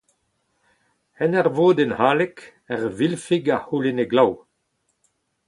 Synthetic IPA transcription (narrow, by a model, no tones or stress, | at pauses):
ɛnɛʁvoːd̪ɛnhaːlɛk | ɛʁvilfiɡahuleneɡlaw